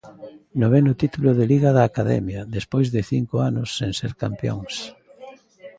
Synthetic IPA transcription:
noβɛnʊt̪it̪ulʊðeliɣaðaːkaðɛ̰mjɐðespojzðɪθiŋkʊanʊsːeŋseɾkampjo̰ŋs

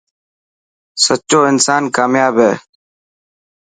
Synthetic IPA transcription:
sət͡ʃoːɪnsaːnkaːmjaːbʱɦeː

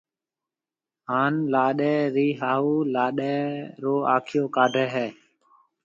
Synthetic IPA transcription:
ɦaːnlaːɗɛːɾiːɦaːɦuːlaːɗɛːɾoːaːkʰɪjoːkaːɖʱɛːɦɛː

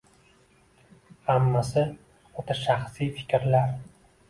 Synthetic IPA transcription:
hamːasɪ | ot̪ʰaʃaχsijfɪ̥kʲɾlaɾ

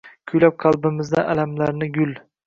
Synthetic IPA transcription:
kʲʰʊjlap̚qʰɑlˠbɪmɪzd̪aʔalamlaɾnɪɡʲʊl

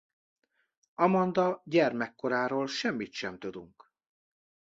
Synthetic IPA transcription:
ɒmɒnd̪ɒɟɛrmɛkːo̞ɾaːɾoːlʃɛmːit̪ʃɛmt̪ød̪uŋk

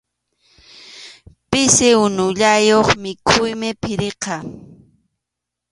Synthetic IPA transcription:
pɪsɪʊnʊʎajoχmɪkʰʊjmɪpʰɪɾeqɑ

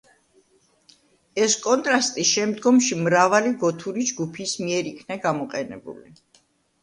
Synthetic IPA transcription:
ɛskʼɔnt̪ʼɾast̪ʼiʃɛmd̪ɡɔmʃimɾavaliɡɔt̪ʰuɾid͡ʒɡupʰismiɛɾikʰnaɡamɔqʼɛnɛ̰bṵli

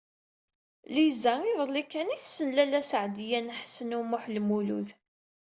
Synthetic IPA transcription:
lizæiðˤəlːikːæniθsənlælæsəʕd̪jænħsənʊmʊħlmulṵð

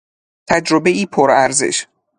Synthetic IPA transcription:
t̪ʰæd͡ʒɾobeʔiːpʰoɾæɾzḛʃ

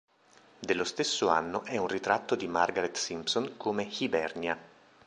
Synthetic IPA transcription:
d̪elːost̪esːoa̰nːoʔɛunrit̪ɾat̪ːod̪imarɡaɾet̪ːsimpsonkʰomexibɛrnia

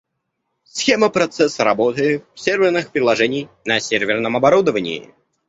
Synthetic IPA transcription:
sxʲeməpɾɐt̪sɛsɾɐbot̪ɨfsʲervʲɪrnɨxpɾʲɪlˠɐʐɛnʲɪjnɐsʲervʲɪrnəmɐbɐɾud̪əvənʲɪ̰ː

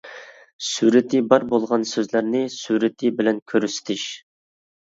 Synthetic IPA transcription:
suɾɪt̪ʰɪbɑɾbolˠʁɑnsøzlæɾnɪsuɾɪt̪ʰɪbɪlɛnkʲʰøɾyst̪ʰɪʃ

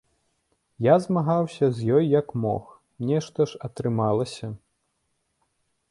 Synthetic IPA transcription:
jazmaɣawsʲɐzʲjɔjːɐkmɔ̰x | mnʲɛʂt̪ɐʂɐt̪ɾɨmalˠɐsʲɐ

